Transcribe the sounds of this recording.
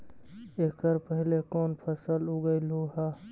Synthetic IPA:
ekt̪əɾpəɦɪlekoːnpʰəsəluɡəɪlɦuɦaː

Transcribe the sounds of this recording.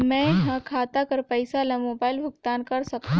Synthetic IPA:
mɛ̃ːɦɐkʰaːt̪akɐɾpɐɪsalɐmoːbaːɪlbʱʊɡt̪aːnkɐɾsɐk̚t̪a

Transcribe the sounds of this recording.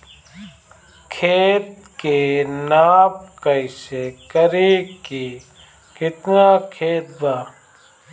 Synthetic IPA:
kʰeːt̪̚ | kenaːb̚kɐisekɐɾiːki | kɪt̪naːkʰeːt̪̚baː

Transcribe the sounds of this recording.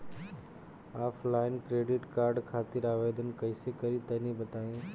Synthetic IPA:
aːpʰlaːɪnkɾeːɖɪʈkaːɾɖkʰaːt̪ɪɾaːʋeːd̪ənkɐɪsekɐɾit̪ɐnĩbɐt̪aːẽ

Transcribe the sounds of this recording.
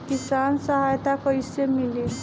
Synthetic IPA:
kisansəɦajt̪akəjsemili

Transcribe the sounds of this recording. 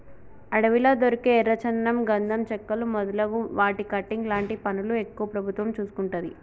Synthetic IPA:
ɐɽɐʋilɐd̪oɾikeːɾːɐt͡ʃɐnːɐmɡɐnd̪ʱɐmt͡ʃɛkːɐlumɔd̪ɐlɐɡuʋaːʈikɐʈːiŋɡlaːɳʈipɐnuluekːuʋɐpɾɐbʱut̪ʋɐmt͡ʃuːsu̥kuɳʈud̪ḭ

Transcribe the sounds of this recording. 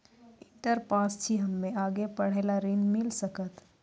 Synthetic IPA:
ɪ̃ɳʈəɾpaːst͡ʃʰiɦɐmːẽaːɡepɐɽ̤eːlaɾinmɪlsəkət̪

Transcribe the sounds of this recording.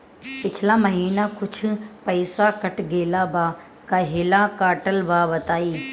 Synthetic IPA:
pɪt͡ɕʰɪlamɐɦiːnakʊd͡ʒʰʱʊ̆pɐɪsakɐʈɡeːlaba | kɐɦɪlakaːʈəlbaːbɐt̪aːiː

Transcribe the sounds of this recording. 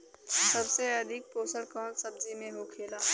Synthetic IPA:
sɐbseɐd̪ʱɪk̚poːsəlkɔːnsɐb̚d͡ʒimẽɦokʰeːlaː

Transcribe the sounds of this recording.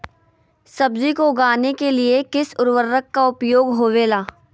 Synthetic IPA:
sɐbzikoɡaːnekeliekɪsʊɾʋəɾːəkːaʊpjoːɡɦoːʋeːlaː

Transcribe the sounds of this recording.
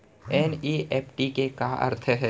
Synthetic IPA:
ɛːniːʔeːpʰʈikekaɐ̰ɾt̪ʰəɦɛː

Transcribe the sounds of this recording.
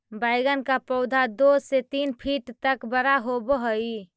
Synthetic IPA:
bajɡənkapəʊd̪ʱad̪oset̪inpʰiʈt̪əkbəɾaɦobəɦəi

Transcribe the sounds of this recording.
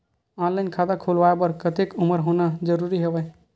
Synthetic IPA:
ãːnlankʰaːd̪akʰolʋaːebəɾkət̪ekʊməɾɦoːnad͡ʒəɾuɾiɦeʋɛ

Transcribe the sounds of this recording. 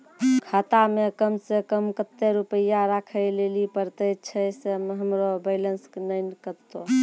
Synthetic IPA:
kʰat̪amekəmsekəmkət̪ːeɾupəjaɾakʰəlelipəɾt̪ət͡ʃʰɛseɦəmɾobələnsknəjnkəɾt̪o

